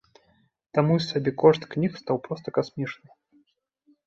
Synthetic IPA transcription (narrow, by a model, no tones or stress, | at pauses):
t̪amujsʲabʲɛkɔʐt̪knʲixst̪awpɾɔst̪ɐkasmʲit͡ʂnɨ